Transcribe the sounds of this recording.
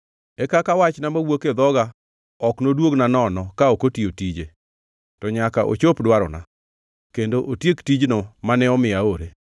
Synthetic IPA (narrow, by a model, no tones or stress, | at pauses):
ɛkakawat͡ʃnamawoked̪ɔɡa | ɔknodwoɡnanɔnɔkaokotiotid͡ʒe | tɔɲakaʔo̰t͡ʃopdwaɾɔ̰na̰ | kendoʔotjektid͡ʒnɔmanɛɔmɪaoɾe